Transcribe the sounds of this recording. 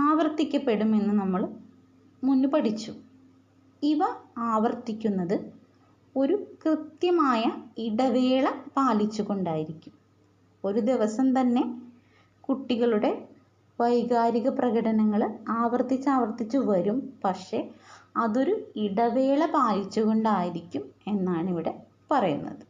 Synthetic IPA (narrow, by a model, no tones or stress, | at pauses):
aːʋɐrt̪ikʲːɐpːe̞ɽume̞nːɨnɐmːɐɭ | munːupɐʈit͡ɕːu | iʋɐaːʋɐrt̪ikʲːunːɐðɨ | o̞ɾukrɨt̪jɐmaːjɐiɽɐʋe̞ːɭɐpaːlit͡ɕːuɣo̞ɳɖaːjiɾikʲːum | o̞ɾud̪iʋɐsɐmt̪ɐnːe̞ | kuʈːiɣɐɭuɽe̞ | ʋɐjɡaːɾiɣɐprɐɣɐɽɐnɐŋːɐɭaːʋɐrt̪it͡ɕːaːʋɐrt̪it͡ɕːuʋɐɾumpɐkʂe̞ɐðo̞ɾuiɽɐʋe̞ːɭɐpaːlit͡ɕːuɣo̞ɳɖaːjiɾikʲːume̞nːaːɳiʋiɽe̞ | pɐrɐjunːɐ̰ðɨ